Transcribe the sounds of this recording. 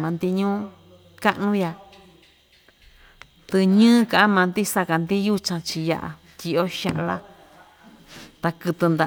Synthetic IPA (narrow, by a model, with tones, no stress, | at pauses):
mã˨˧nd̪i˧ɲũː˦ | ka˦ʔnũ˦ja˧ | t̪ɨ˧ɲɨ̃ː˦kã˨ʔa˦mã˨˧nd̪i˦sa˧ka˨nd̪i˦ju˦t͡ʃã˧t͡ʃi˧ja̰˧ʔa̰˧ | t̪ʲi˧ʔo˦ʃã̰˧ʔla̰˦˧ | t̪a˧kɨ˧t̪ɨ˧nd̪a˨